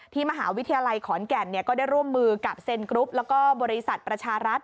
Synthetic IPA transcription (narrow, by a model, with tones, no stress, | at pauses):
t̪ʰiː˥˩ma˧ɦaː˩˦wi˦˥t̪ʰa˧ja˧la˧jkʰɔː˩˦nkɛː˧˩nːi˥˩kɔː˥˩daː˥˩jɾu˥˩əmːɯː˧ka˨˩p̚se˧nkɾu˦˥p̚lɛː˦˥wkɔː˥˩bɔː˧ɾi˦˧sa˨˩t̪̚pɾa˧t͡ɕʰaː˧ɾa˦˥t̪̚